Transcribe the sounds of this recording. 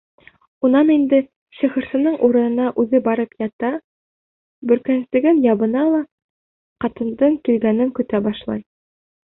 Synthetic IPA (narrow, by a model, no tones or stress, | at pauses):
unɑnind̪ɘ | ɕĭχɤ̆ɾsɤ̆nɤɴʔuɾɤ̆nɤ̆nɑʔʉðɘbɑɾɤpjɑt̪ɑ | bɵ̆ɾkænsɘ̆ɡɘnjɑβɤ̆nɑlˠɑ | qɑt̪ɤ̆nd̪ɤɴkilɡænɘŋkɵ̆t̪æbɑʃlˠɑ̰j